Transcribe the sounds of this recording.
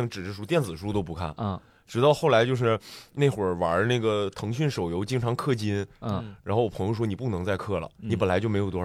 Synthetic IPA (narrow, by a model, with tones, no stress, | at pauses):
ŋʈ͡ʂɻ̩˨˩ʈ͡ʂɻ̩˥˩ʂu˥t̪jɛ˥˩nt͡sɹ̩˨˩ʂu˥t̪o˥ʊp̬u˧˥kʰa̰˥˩n˧ | ʈ͡ʂɻ̩˧˥ɑ˥˧ʊxo˥˩la˧˥ɪt͡ɕjo˥˧ʊʂ̬ɻ̩˥˧ne˥˩ɪxwə˞˨˩wa˧˥na˥˩ɡə˩t̪ʰɤ˧˥ŋɕy˥˩nʂo˨˩ʊjo˧˥ʊt͡ɕi˥ŋʈ͡ʂʰɑ˧˥ŋkʰɤ˥˩t͡ɕi˥n˥˧ɻa˧˥nxwpʰɤ˧˥ŋjo˧ʊʂwɔ˥ni˨˩p̬u˥˩nɤ˧˥ŋt͡sa˥˧ɪkʰɤ˥˩lə̰˩ni˧˥p̬ə˨˩nla˧˥ɪt͡ɕo˥˩ʊm˧˥jo˨˩t̪wɔ˥˨˧